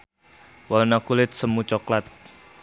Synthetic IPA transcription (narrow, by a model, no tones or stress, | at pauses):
wɔlnakulɪt̪̚səmut͡ʃɔklat̪̚